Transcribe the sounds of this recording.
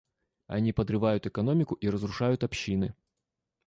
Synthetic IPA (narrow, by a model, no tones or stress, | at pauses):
ɐ̰nʲipəd̪ɾɨvajʊt̪ɨkɐno̞mʲɪkʊʔiɾəzɾʊʂajʊt̪ɐpɕːinɨ